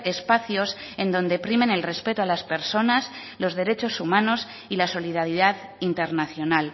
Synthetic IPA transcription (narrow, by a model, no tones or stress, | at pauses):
e̞spaθjo̞s | e̞nd̪o̞nd̪epɾimẽ̞ne̞lre̞spe̞t̪oalaspe̞ɾso̞nas | lo̞zðe̞ɾe̞t͡ʃo̞sumãno̞s | ilaso̞liðaɾiðaðint̪e̞ɾnaθjo̞nal